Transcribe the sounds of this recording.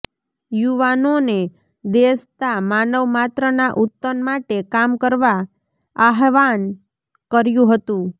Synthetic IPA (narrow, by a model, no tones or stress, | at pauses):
juʋanone | d̪est̪amanəʋmat̪ɾənaʔut̪ːənmaʈekamkəɾʋa | aɦʋan | kəɾjũɦət̪ũ